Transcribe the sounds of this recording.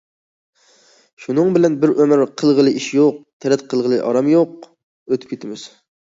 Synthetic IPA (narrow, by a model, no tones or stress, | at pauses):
ʃunɨŋbɪlɛnbɪɾʔømɪɾqʰəlˠʁəlˠɨʔiʃjoq̚t̪ʰɛɾɛt̪̚qʰəlˠʁəlˠɨʔɑ̰ɾɑmjoq̚ | øt̪ʰɪ̥p̚ʲkʰʲet̪ʰɪmɪz̥